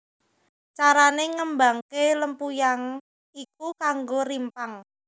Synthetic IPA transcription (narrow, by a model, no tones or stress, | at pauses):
t͡ʃaɾaneŋəmbaŋkeləmpujaŋ | ik̚ukaŋɡoɾimpaŋ